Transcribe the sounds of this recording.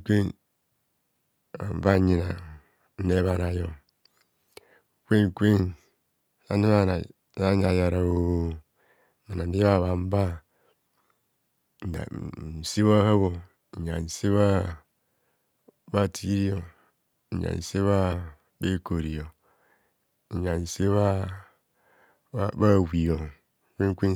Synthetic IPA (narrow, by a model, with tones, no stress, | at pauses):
kʷe˦n | a̰˨m̩˨ba˦ɲi˨na˨ | n̩˦ne˦βa˨na˨jo˨ | kʷe˦ŋ˨kʷe˦n˨ | a˨˦ni˦a˦˨˦ | a˦ɲ˦a˨ja˨ɾa˨o˨ | ma˨a˨˦i˦βa˦˨βa˨m̩˦ba˦ | n˨a̰˨n̩˨si˦βa˦ha˦βo˨ | ɲa̰˨n̩˨se˦βa˦ | ba˦˨tʰi˦ɾi˦jo˨ | a̰˨n̩˨se˦βa˦ | be˦ko˨ɾi˨jo˨ | ɲa˨n̩˨se˦βa˦ | ba˦˨wi˨jo˨ | kʷe˦ŋ˦kʷe˦